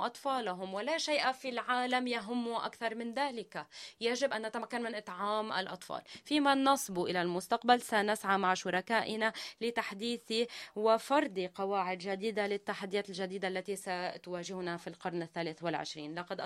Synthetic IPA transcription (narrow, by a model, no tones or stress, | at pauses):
ʔɑt̪ˤfɑːlaɦʊmwɪlaʃajʔafilʕaːlamjaɦʊmːuʔa̰kθɑɾˤmɪnðaːlɪkajaʒɪbʔanːat̪amakːanmɪnʔɨt̪ˤʕaːmʔa̰lʔɑ̰t̪ˤfɑ̰ːlfiːmanɑsˤbuʔɪlalmʊst̪aq̚balsanasʕamaʕʃʊɾˤɑkaːʔɪnalɪt̪aħd̪iːθiwɪfɑɾˤd̪iqɑwaːʕɪd̪ʒad̪iːd̪alɪt̪ːaħad̪ːɪjaːt̪ɪlʒad̪iːd̪aʔalːat̪isat̪waːʒɪhnafilqɑɾˤnɪθːaːlɪθwɪlʕɪ̰ʃɾiːnlɑqɑd̪ʔ